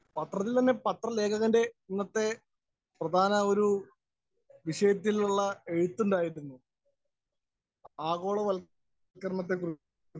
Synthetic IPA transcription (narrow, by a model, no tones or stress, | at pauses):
pɐt̪rɐt̪ːilt̪ɐnːe̞pɐt̪rɐle̞ːkʰɐɣɐnde̞inːɐt̪ːe̞ | prɐd̪ʱaːnɐo̞ɾu | ʋiʂɐjɐt̪̬ːiluɭːɐe̞ɻut̪ːuɳɖaːjiɾunːu | aːɣo̞ːɭɐʋɐl | kːɐrmɐt̪̬ːe̞kur